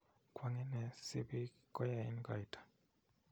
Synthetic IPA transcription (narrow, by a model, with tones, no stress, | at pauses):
kwa˦ŋɛ˦nɛ˨si˦bi˦ | kɔ˦ja˨ḭ˦nɡa̰˨jtʰḁ˨